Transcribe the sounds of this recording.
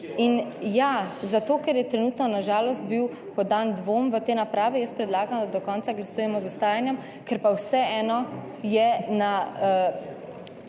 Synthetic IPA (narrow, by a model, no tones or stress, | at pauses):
injazat̪oːkɛɾjɛt̪ɾɛnuːt̪nɔnaʒaːlɔst̪̚biw | pɔd̪and̪ʋoːmʋət̪eːnapɾaːʋɛjəst̪pɾɛd̪laːɡamd̪ad̪ɔkɔnt̪saɡlasuːjɛmɔzʊst̪aːjanjɛm | kɛɾpawsɛɛːnɔ | jɛna